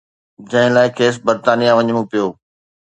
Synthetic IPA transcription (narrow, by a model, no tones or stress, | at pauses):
d͡ʑɐ̃ɦɪ̃laːɪkʰeːs̬bəɾt̪aːnijãʋɐɲəɽ̃ũpijoː